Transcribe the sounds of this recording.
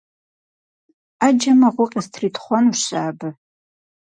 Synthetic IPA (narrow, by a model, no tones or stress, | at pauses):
ad͡ʒɐmaʁʷʊqʲʼɪstʰritʰχʷɔnuɕaːbɨ